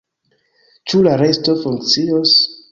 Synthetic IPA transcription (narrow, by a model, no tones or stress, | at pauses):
t͡ʃulaɾe̞sto̞fuŋkt͡sios